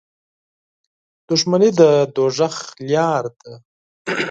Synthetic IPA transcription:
d̪̥ʊʂmanid̪əd̪oʐaxljɑːɾd̪a

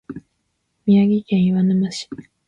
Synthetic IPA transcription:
mʲiaɡʲikẽɰ̃iβanɯmaɕi̥

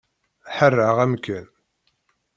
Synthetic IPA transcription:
ħərːəʁæmkæn

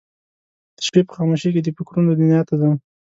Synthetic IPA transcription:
d̪̥ə̥ʃpepə̥xɑmoʃeked̪əpʊkɾunəd̪ɪnjɑt̪ad̪a

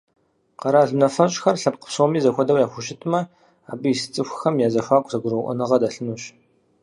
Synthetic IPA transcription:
qɐɾaːɮnɐfɐɕʼxɐrɬɐp̚qə̥psomiːzɐxʷɐdɐwjaːxʷʊɕɪtʰmɐ | aːbɨjisɨ̥t͡sʼɨxʷxɐmjaːzɐxʷaːkʷʼzɐɡʷʊɾowʔʷɔ̰nɨʁɐdaɬɨnuːɕ

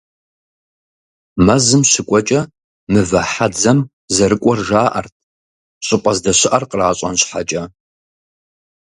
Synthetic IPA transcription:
mɐzɨmɕɪkʷʼɔt͡ʃʼɐ | mɨvɐħad͡zɐm | zɐɾɨkʷʼɔrʒaːʔɐ̰rtʰ | ɕʼɪqʼɐzdɐɕɪʔɐrqəraːɕʼɐnɕħat͡ʃʼɐ

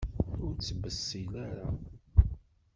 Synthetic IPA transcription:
ʊɾt͡sːəbːəsːilæɾa

